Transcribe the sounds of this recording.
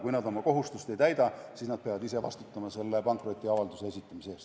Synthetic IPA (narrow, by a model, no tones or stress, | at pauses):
kujnɑd̪o̞mɑko̞ɦust̪ust̪e̞jt̪æjd̪ɑsiːsnɑd̪̚pe̞ɑvɑd̪ise̞vɑ̰st̪u̥t̪ːˑɑmɑse̞lːe̞pɑŋkro̞t̪ʲːˑiɑvɑld̪use̞e̞sit̪ːˑɑmiseeːst̪